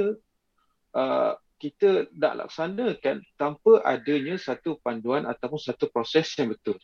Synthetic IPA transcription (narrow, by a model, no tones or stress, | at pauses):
ə | ʔə | kit̪əna̰ʔlʔa̰ksanəkant̪ampəʔadəɲasat̪upanduanʔat̪apʊnsat̪upɾosɛsjaŋbət̪ʊl